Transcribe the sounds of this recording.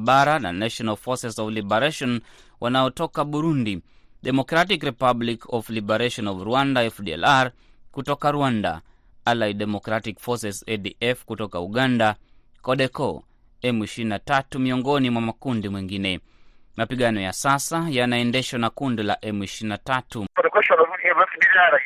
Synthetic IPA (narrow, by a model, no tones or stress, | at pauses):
ɓaɾana̰naʃɔnalfɔsɛsɔvlibɛɾaʃɔn | wʔanaɔtɔkaɓuɾundi | ɗɛmɔkɾat̬ikɾɛpablikɔvlibɛɾaʃɔnɔvɾuwandaɛfdiɛ̰laɾ | kutɔkaɾuanda̰ | alajɗɛmɔkɾatikfɔsɛsɛdiʔɛfkutɔkauɠanda | kɔɗɛkɔ̰ | ɛmiʃɾinatatumiɔŋɡɔnimwamakundimwiŋɡinɛ | mapiɠanɔja̰sasajanaɛndɛʃanakundila̰ʔɛmiʃiinatatupaɾɛkɔʃaiɛmɛfdilaɾa